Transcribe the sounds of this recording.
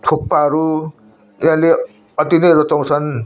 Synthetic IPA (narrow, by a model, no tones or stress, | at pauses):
t̪ʰok̚paɦʌɾu | jãle | ʌt̪inʌjɾot͡saw̃t͡sʰʌn